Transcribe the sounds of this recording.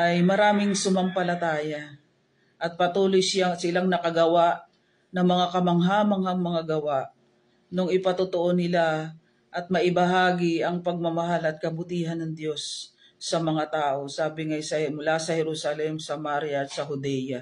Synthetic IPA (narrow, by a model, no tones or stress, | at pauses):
ʔɐjmɐɾaːmɪŋsʊmɐmpɐlɐt̪aːjɐ | ʔɐt̪̚pɐt̪uːlojsɪjasɪlaŋnɐkɐɡɐwaʔ | nɐŋmɐŋakɐmɐŋɦaːmɐŋhɐŋmɐŋaɡɐwaʔ | noŋɪpɐt̪ʊt̪oʔo̞nɪla | ʔɐt̪̚mɐʔɪbɐɦaːɡɪɐŋpɐɡ̚mɐmɐɦalɐt̪̚kɐbʊt̪iːɦɐnɐŋd̪jo̞sː | ɐmɐŋat̪aːʔo̞saːbɪŋɐjsɐmʊlasɐhɛɾusɐlɛmsɐmaɾjɐɐt̪̚sɐɦʊd̪ɛjɐ